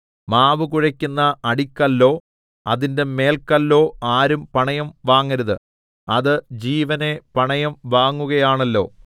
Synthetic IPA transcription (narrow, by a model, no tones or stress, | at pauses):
maːʋɨkuɻɐkʲːunːɐːɽikʲːɐlːo̞ː | ɐðinde̞me̞ːlkɐlːo̞ːaːɾumpɐɳɐjɐmʋaːŋːɐɾuðɨ | ɐðɨd͡ʑiːʋɐne̞pɐɳɐjɐmʋaːŋːuɣɐjaːɳɐlːo̞̰ː